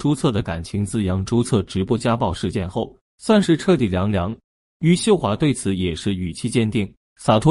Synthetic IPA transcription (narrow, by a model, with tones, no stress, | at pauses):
ʈ͡ʂu˥t͡sʰɤ˥˩d̪ə˩ka˨˩nt͡ɕʰi˧˥ŋt͡sɹ̩˥˩jɑ˧˥ŋʈ͡ʂu˥t͡sʰɤ˥˩ʈ͡ʂɻ̩˧˥pwɔ˥t͡ɕja˥pɑ˥˧ʊʂɻ̩˥˧t͡ɕjɛ˥˧nxo˥˩ʊ | swa˥˧nʂɻ̩˥˧ʈ͡ʂʰɤ˥˧˩t̪̬i˨˩ljɑ˧˥ŋljɑ˧˥ŋ | y˧˥ɕjo˥˧ʊxwa˧˥t̪we˥˩ɪt͡sʰɹ̩˧˥jɛ˨˩ʂɻ̩˥˩y˨˩t͡ɕʰi˥˧t͡ɕjɛ˥˧nt̪i˥˩ŋ | sa˨˩t̪ʰwɔ˥